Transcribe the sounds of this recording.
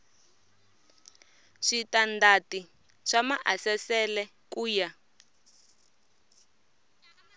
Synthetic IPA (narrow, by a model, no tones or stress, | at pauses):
ʂitandati | ʂamaʔasɛsɛlɛ | kuːja